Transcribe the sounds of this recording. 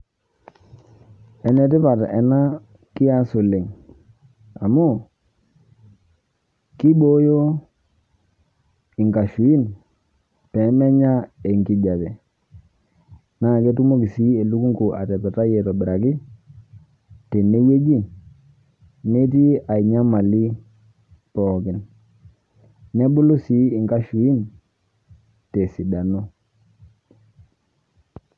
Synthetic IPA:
ɛ˨nɛ˨ti˦pa˨tʔɛ˨na˦ | ki˦ja˦su˨li˨ŋ | a˨mo˦ | ki˦ɓo˦jo˦ | i˨ŋka˨ʃu˨i˦n | pɛ˨˦mɛ˦ɲa˦e˨ŋki˨ɟa˨bɛ˨ | na˦˨ke˦tu˦mo˦ki˨si˦e˨lu˦ku˦ŋku˨ʔa̰˨tɛ˨pɛ˨ta˦jɛ˨tɔ˨bi˨ɾa˨ki˦ | te˨ne˦je˦d͡ʒi˦ | ne˦ti˦a˨i˨ɲa˦ma˨li˦ | pɔː˨ki˨n | ne˦bu˦lu˦si˨˦i˨ŋka˦ʃu˨i˦n | te˨si˨da˨no˦

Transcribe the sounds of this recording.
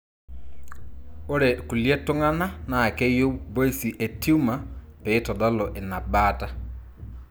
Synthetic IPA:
o˦ɾɛ˨ku˨ljɛ˦tʊ˦ŋa˦na˦na˨kɛ˦jo˦bo˦si˨ʔe˨tʰi˦u˦ma˨peː˨˦tɔ˨dɔ˦lɔ˨ʔe˨na˨ba˦ta˦

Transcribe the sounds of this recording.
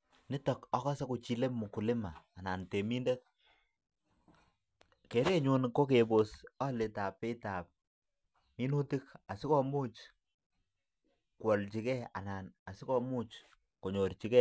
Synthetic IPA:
nɪ˦tɔ˨kɔ˦kɔ˦se˦ku˨t͡ʃi˨le˦mu˨ku˨lɪ˦maː˨na˨nte˨mi˦nde˦k̚ | ke˨˦ɾe˦ɲu˦nko˦k̬e˨bo˨sɔ˦lɪ˨ta˨pe˦ta˨p̚ | mi˦nu˦ti˦ka˨sɪ˦kɔ˦mu˦t͡ʃ | kwɔ˨lt͡ʃi˨kɛ˦a̰˨na˨na˨sɪ˦kɔ˦mu˦t͡ʃ | ko˨ɲo˨ɾt͡ʃi˨˦kɛ˦

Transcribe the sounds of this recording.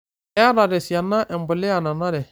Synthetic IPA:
ɛ˦ɾa˨ɾɛ˨si˨a˨nːa˦ʔɛ˨m˨bʊ˨lɛ˦a˨na˨na˦ɾɛ˨

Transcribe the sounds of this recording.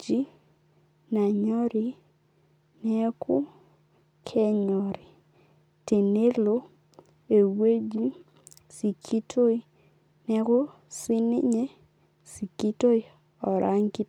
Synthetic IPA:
d͡ʒi˦ | na˨ɲɔ˦ɾi˨ | nɛ˦kʰʊ˦ | kʰɛ˦ɲɔ˨ɾi˨ | te˨ne˦lo˦ | e˨we˦d͡ʒi˦ | si˨kʰi˦tʰo˦i˦ | nɛ˦kʊ˦ | sɪ˦nɪ˦ɲe˦ | si˨ki˦to˦i˦ | ɔ˨ɾa˦ŋki˦

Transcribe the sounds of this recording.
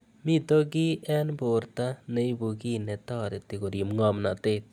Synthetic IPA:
mɪ˦t̪o˦ɡɪ˦ɛ˦nbo˨ɾt̪a˦ne˦i˦bu˨ɡi˦nɛ˨t̪ɔ˦˨ɾɛ˨t̪ɪ˨ko˨ɾi˨mŋɔ˦mna˨t̪ɪ˦t̪̚

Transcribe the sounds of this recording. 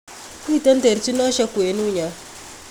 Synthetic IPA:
ku˦i˨ta˦n˦te˨ɾt͡ʃi˦na˦ʃa˦ku˨e˨nu˦˨ɲa˨

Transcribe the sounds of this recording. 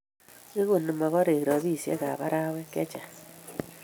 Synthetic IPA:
i˦ɣu˨ni˨ma˨ɣɔ˦ɾe˨ɣɾɔ˨βi˦˨sjḛ˦ka̰˨βa˦ɾa˦we˦kɛ˦t͡ʃa˨

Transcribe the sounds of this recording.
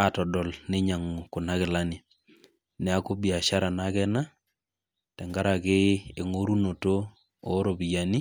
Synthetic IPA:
a˨tɔ˨dɔ˨lnɪ˦ɲa˨ŋ˨kʊ˨na˦kɪ˨la˦nɪ˨ | nɛ˨a˦ko˦bi˨a˨ʃa˦ɾa˨na˦kɛ˦na˦ | tɛ˨ŋɡa˦ɾa˨kɪ˦e˨ŋo˦ɾu˦no˨to˦ | ɔ˦ɾo˨bi˨ja˨ni˦

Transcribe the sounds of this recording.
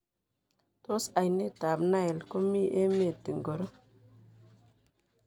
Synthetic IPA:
to˦sa˨jne˦˨ta˨bna˦e˨lko˦mi˦ʔe˦m˦e˦˨ti˨ŋɡo˨ɾo˦

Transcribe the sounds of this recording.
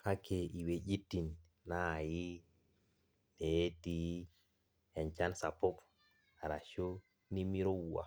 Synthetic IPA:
ha˦kʰːe˨i˨we˨ɟi˦tːi˨nː | a˦˨ji˦ | ne˨e˦ti˦ | ɛ˨nt͡ʃa˦nsa˨pːo˦p | a˨ɾa̰˨ʃo˦ | ni˦mi˦ɾo˦wu˨wa̰˨

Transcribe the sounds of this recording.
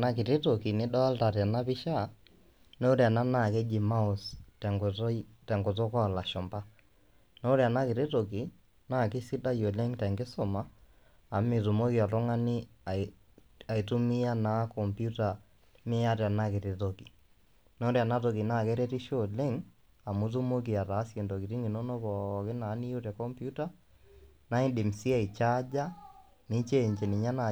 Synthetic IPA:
na˦kɪ˨ɾi˦to˨ki˨nɪ˦ɗɔ˦lta˨ɾa˨na˦pɪ˦ʃa˦˨ | no˦ɾa˨na˦na˦˨kɛ˦d͡ʒi˨ma˦ʊ˨stɛ˨ŋ˨˦tɛ˨ŋɡʊ˨tɔ˦kɔ˦˨la˨ʃɔ˨mba˦ | no˦ɾi˨a˨na˦kɪ˨ɾi˦to˨ki˨ | na˦˨kɪ˦si˦da˦jo˨le˦ŋtɛ˨ŋɡɪ˦sɔ˨ma˦ | a˨mɪ˨tʊ˨mo˦ki˨ɔ˨tʊ˦ŋa˦nɪ˦˨ | a˨i˨tu˦mi˦a˦na˨˦kɔ˨mpju˦ta˨ | mɪ˦a˦ɾa˨na˦kɪ˨ɾe˨to˨ki˨ | nɔ˦ɾa˨na˦to˨ki˨na˦˨kɛ˦ɾɛ˦ti˦ʃo˦lɪ˦ŋ | a˨mu˨˦t̬u˦mo˦k̬i˨a˨ta˨˦sje˨ndɔ˨ki˨ɾi˦ŋɡi˨no˦no˦bɔ˨kɪ˦na˨˦ni˦jo˦ɾɛ˨kɔ˦mpju˦ta˦ | na˦i˦dɪ˨m˨si˦a˦i˨t͡ʃa˦d͡ʒa˦ | ni˦t͡ʃe˦˨ɲt͡ʃe˨nɪ˨ɲa˦na˨

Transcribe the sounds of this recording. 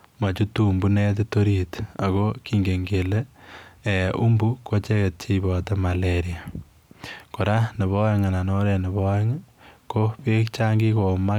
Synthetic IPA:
ma˨t͡ʃu˦tu˦˨mbu˦ne˦t̬to˦ɾi˨ta˨koki˨ŋɡe˨ŋɡe˨le˦e˨u˦mbu˦ko˦t͡ʃe˦ke˨t̚t͡ʃi˦bɔ˨ta˦maleɾia˨ | ko˨ɾa˦ne˨βɔ˦e˦ŋa˨na˨nɔ˦ɾe˨ne˨bɔ˦ɛ˦ŋko˦pe˦kt͡ʃa˦ŋɡi˦ko˨ma˦

